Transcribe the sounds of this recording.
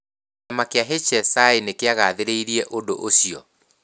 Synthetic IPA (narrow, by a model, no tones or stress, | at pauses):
amakeaɦet͡ʃɛsaenekeaɣaːðeɾeiɾiɛʔodoʔosiɔ